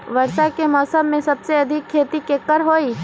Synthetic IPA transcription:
ʋɐɾsakemɔːsəbmẽsɐbseɐd̪ʱɪkʰːeːt̪ikːekːəɾɦoːiː

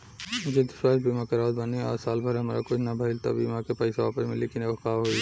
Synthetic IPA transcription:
d͡ʒed̪ɪʃwaːsbiːmakeɾaːd̪bɐniɔ̰ːɾsaːlbʱɐɾɐmːɾakʊt͡ʃʰnɐbʱɐɪlt̪ɐ̰biːmakepɐɪseʋaːpəsmɪlikinekaːɦoi

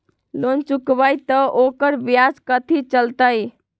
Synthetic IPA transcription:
lont͡ʃukbəjt̪ɔʔokəɾbjad͡ʒkət̪ʰit͡ʃəlt̪əj

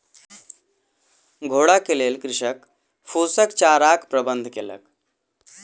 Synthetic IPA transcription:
ɡʱoɽakelelkɾiʂək | fusəkt͡ɕaɾakpɾəbənd̪ʱkḛlə̰k

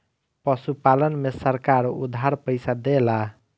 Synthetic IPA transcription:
pəsupalənmesəɾkaɾṵd̪ʱɦaɾpəjsad̪ela

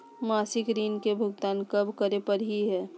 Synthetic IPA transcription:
maːsɪkɾiːnkebʱʊɡt̪aːnkɐbʱkəɾepəɾɦiɦɛː

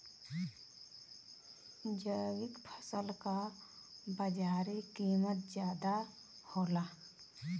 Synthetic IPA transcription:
d͡ʒəjwɪkpʰə̥səlka | bəd͡ʒaːɾikiːmət̪̚d͡ʒjaːd̪a | hoːlaː

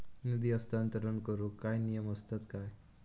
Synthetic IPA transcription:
nid̪iʌst̪ʰant̪əɾənkoɾukajnijəmʌst̪ət̪kaj

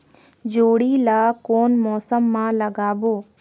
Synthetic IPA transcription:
d͡ʒoːɽiːlaːkoːnmɔːsəmːãːləɡaːboː

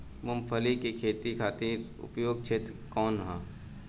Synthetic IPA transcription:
mʊmpʰəlikekʰeːt̪ikʰaːt̪iːɾʊ̰pjoːɡ̚t͡ʃʰet̪kɔːnɦãː

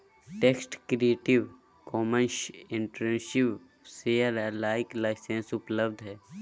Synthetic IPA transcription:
ʈeːksʈkɾieːʈiʋ | kɔːmənʃɪ̃ɳʈɾẽnʃiʋ | seəɾɛlaːɪklaɪsẽnsʊpləbd̪ʱɦɛː

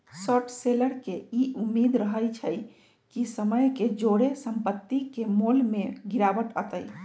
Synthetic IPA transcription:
səʈseləɾkeiʔumːed̪ɾəɦəjt͡ʃʰəj | kisəməjked͡ʒoɽesəmpət̪ːikemolmeɡiɾabəʈət̪əj

